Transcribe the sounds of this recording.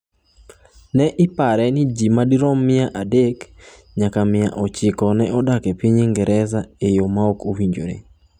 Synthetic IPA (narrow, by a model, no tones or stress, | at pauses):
nɛʔɪpaɾɛnɪd͡ʒimadiɾɔmːɪaʔadek | ɲakamɪja̰ʔɔt͡ʃɪkɔnɛʔɔdakepiɲɪŋɡɛɾʔɛzaejomaokowiɲd͡ʒo̰ɾḛ